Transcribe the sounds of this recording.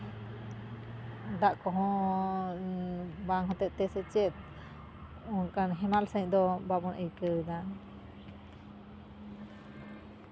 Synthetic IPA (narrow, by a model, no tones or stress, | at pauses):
d̪aʔkɔɦɔ̃ | baŋɦɔt̪ɛʔt̪ɛsɛt͡ʃɛt̪̚ | ɔkanɦɛmalsəɲd̪ɔbabɔnʔəjkəd̪a